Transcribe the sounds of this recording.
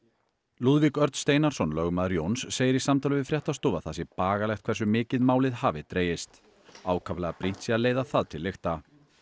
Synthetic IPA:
luðvikœɾt̪st̪eːjnaɾ̥sɔnlœɣmaðɾjownsːeːjɪɾisamt̪ʰawlʏvɪðfɾjɛht̪ast̪oːvaðθasɪpaːɣalɛxt̪kʰvɛrs̬ʏmɪːcɪðmaːwlɪðhaːvɪt̪ɾeːjɪst̪ | aːwkʰavlɛɣapɾin̥t̪siaðleːjðaθaðt̪ʰɪlːext̪a

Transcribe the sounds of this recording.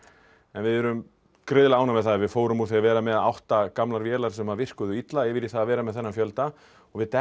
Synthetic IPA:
ɛnvɪðɛɾʏm | kɾɪðɪlaːwnavɛðθaðɾvɪðfoːwɾʏmuθiavɛːɾamɛðaa̰wht̪akamlaɾvjɛːlaɾ̥sɛmavɪr̥kʏðʏit̪laɪvɪɾiθaðavɛːɾamɛðθɛnːafjœlt̪a | ɔɣvɪðt̪ɛ

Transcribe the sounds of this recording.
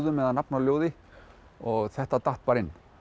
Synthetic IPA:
ðʏmɛðanapnaljoːwðɪ | ɔɣθɛht̪at̪aht̪̚paɾɪnː

